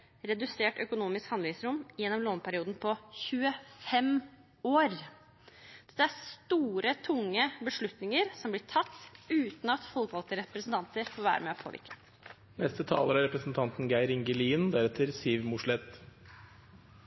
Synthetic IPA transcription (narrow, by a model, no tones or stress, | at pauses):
ɾɛd̪ʉseːʈœkʊnuːmɪskhɑnd̪ʋɪsɾʊmːjɛnːɔmloːnpʰæɾɪuːd̪n̩pʰɔçʉəfɛm | oːɾ | d̪̥ɛ̥t̪ːəæɾst̪uːɾət̪ʰʊŋːəbəʂɭʉt̪nɪŋəɾsɔmblɪʈʰɑt̪ːʉːt̪n̩ɑt̪fɔlkʋɑlt̪əɾɛpɾəsn̩t̪ʰɑnt̪əɾfoːɾʋæ̰ːɾə̰meːɔpʰo̰ːʋɪ̰ɾkʰə̥ | nɛst̪ət̪ʰɑ̰ːləɾɑɾɛpɾəsn̩t̪ʰɑnt̪n̩ɡæɪɾɪŋɡəliːnd̪æɾɛt̪ʰːəɾsiːʋmʊʂɭɛt̪